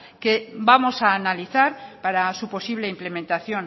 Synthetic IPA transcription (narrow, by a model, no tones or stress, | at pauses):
ke̞bamo̞saːnaliθaɾpaɾasupo̞siβle̞imple̞mẽ̞nt̪aθjo̞n